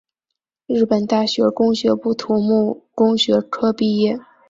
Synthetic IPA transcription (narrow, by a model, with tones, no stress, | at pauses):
ɻ̩˥˩pə˨˩nt̪a˥˩ɕɥɛ˧˥kʊ˥ŋɕɥɛ˧˥pu˥˩t̪ʰu˧˥mu˥˩kʊ˥ŋɕɥɛ˧˥ʈ͡ʂʰɤ˥pi˥˧jɛ˥˩